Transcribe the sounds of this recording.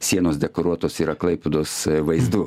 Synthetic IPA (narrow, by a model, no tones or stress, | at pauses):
sʲiɛnoːsd̪ʲɛkoːɾuɔt̪oːsiːɾɐklˠɐɪpʲud̪oːsʋɐɪzd̪u